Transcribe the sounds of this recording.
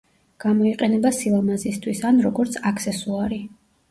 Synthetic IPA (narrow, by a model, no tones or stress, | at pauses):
ɡ̥amɔiqʼɛnɛbasilˠamazist̪ʰwisanɾɔɡɔɾt̪sʰakʰsɛsuaɾi